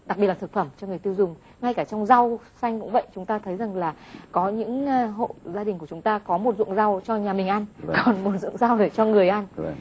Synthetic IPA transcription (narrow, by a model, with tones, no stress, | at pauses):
ɗa˨˩k̚ɓi˨˩tla˨˩t̪ɨ˧˩fə˧˩mt͡ɕɔ˧ŋ˨˩əjt̪i˧wzʊ˨˩ŋ͡m | ŋa˧jkaː˧˩t͡ɕɔ˧wŋ͡mza˧wsa˧jŋ̟kʊ̰˧˥ŋ͡mvə̰˧˨jt͡ɕʊ˨˦ŋ͡mt̪aː˧t̪ʰə˨˦jza˨˩ŋlaː˨˩kɔ˨˦ɲɨ̰˧˥ŋ˧ɦo̰˧˨zaː˧ɗï˨˩ŋku˧˩ət͡ɕʊ˨˦ŋ͡mt̪aː˧kɔ˨˦mo˨˩t̚zɨ̰˧˨əŋza˧wt͡ɕɔ˧ɲaː˨˩mï˨˩ŋ̟ʔa˧nkɔ˨˩nmo˨˩t̚zɨ̰˧˨əŋza˧wɗə˧˩t͡ɕɔ˧ŋɨ˨˩əjʔa˧n